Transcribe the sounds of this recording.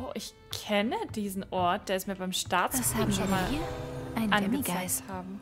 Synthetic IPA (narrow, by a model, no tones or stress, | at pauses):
ʔoʊʔɪç | kʰɛnəd̥iːzn̩ʔɔɐt̚d̥eːɐɛsmiːɐbaɪmʃtaːtt͡səstiːm̩ʃonmaːlaɪnʔanɡət͡saɪkthaːbm̩